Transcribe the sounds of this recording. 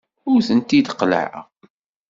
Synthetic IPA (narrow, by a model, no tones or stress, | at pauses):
ʊɾθənt̪id̪qːlə̰ʕa̰ʁ